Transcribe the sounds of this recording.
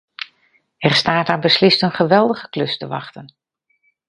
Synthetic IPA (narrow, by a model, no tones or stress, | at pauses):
ɛrstaːtaːbəslɪstənχəʋɛlˠdəɣəklɵstəʋɑ̰χtən